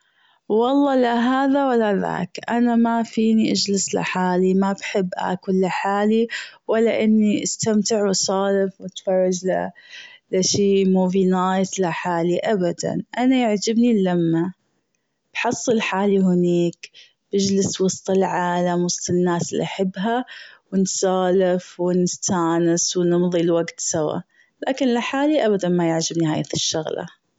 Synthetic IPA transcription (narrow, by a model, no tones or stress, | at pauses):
wɑlˤːɑːlaɦaːðawalːaða̰ːkʔanamafiːniʔad͡ʒlɪsla̰ħaːlimabħɪbːʔa̰ːkwɪlːaħaːliwɪlːaʔɪnːiʔast̪amt̪ɪʕwsˤɑːlɪfwɪt̪fɑrˤːɑd͡ʒla̰laʃiːmoːviːnajt̪laħaːliʔabad̪a̰nʔanajaʕd͡ʒɪbnilamːa | b̥ħɑsˤːɨlħaːlihɪniːk | b̥ɪd͡ʒlɪswɑst̪ˤɪlʕaːlamwɑsˤt̪ˤɪnːaːsɪlːḭʔaħabːɦawɪnsɑːlɪfwɪnɪst̪aːnɪswnɪmðˤilwaɡt̪sawa̰ | laːkɪnlaħaːliʔabad̪anmajɪʕd͡ʒɪbniɦaːjaθɪʃːʊɣla̰